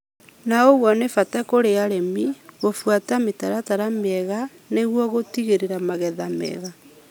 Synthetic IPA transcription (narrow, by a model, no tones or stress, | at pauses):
naoɣwɔnefatakoɾeaɾemiɣofwatametaɾataɾameɛɣa | neɣwɔɣotiɣeɾeɾamaɣɛðamɛ̰ɣa